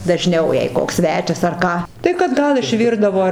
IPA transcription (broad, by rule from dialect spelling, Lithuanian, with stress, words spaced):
dɐˈʒʲnʲɛʊ jɛɪ ˈkoːks ˈsʲʋʲæːt͡ʃʲɛs ɐr ˈkɑː tɐɪ kɐt ˈɡɐlˠ ɪʃʲˈʋʲɪrdɐʋoː